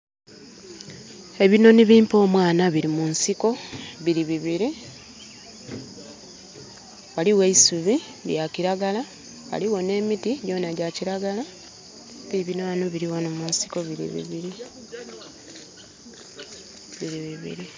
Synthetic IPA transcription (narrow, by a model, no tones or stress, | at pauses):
e̞βino̞niβiːmpo̞ːmwaːnaβiɾimunsiko̞βiɾiβiβiɾi | waliweisuβi | ljaciɾaɡala | wa̰liwo̞ne̞ːmitiɟo̞ːnaɟaciɾaɡala | βiɾiβinoanoβiɾiwanomunsi̥ko̞βiɾḭβḭβiɾi | βiɾiβiβḭɾi